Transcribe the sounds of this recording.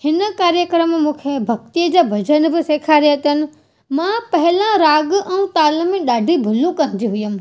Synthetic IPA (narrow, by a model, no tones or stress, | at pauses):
hɪnəkaːɾjəkɾəmmũːkʰebʱɐk̚t̪ijəd͡ʑabʱɐd͡ʑənbɪ̆seːkʰaɾjt̪ənɪ̆ | mãpɐɦɪlãɾaːɡʔɛ̃ũt̪aːlmẽɗaːɖʱibʱʊlũkɐ̃ɾd͡ʑiɦʊjəm